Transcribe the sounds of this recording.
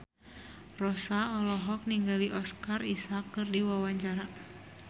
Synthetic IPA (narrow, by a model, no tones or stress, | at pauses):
rɔsaɔlɔɦɔk̚niŋɡaliʔɔskarisakːɨrdiwawaɲt͡ʃaɾa